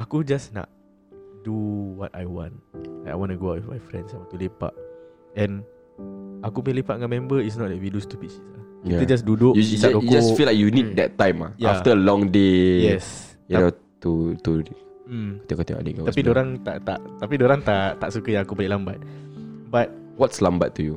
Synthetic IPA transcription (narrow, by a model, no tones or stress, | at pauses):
akud͡ʒasna̰ʔ̚ | duwɔta̰jwɔ̰̃nlaka̰jwɔ̃nuɡoaʔwifmajfɾɛ̰̃nsajwɔ̃nt̪ulepa̰ʔɛ̃n | akupəɲlepaʔŋãmɛ̃mbəis̬nɔt̚dɛt̚widust̪upit͡ʃi̥saiaə̃d͡ʒas̬duduʔusakokd͡ʒasfilajkjunid̚dɛtːãjma̰jjaftəlɔ̃ŋdejɛs | juno | t̪ut̪u | m̩ko̥t̪iŋkot̪iŋa̰dḭŋkaapidoɾãŋt̪a̰ʔt̪aʔt̪apidoɾãŋt̪aʔt̪aʔsukəjãŋakupəleʔlambat̪̚bat̚ | wɔtslãmba̰tːuju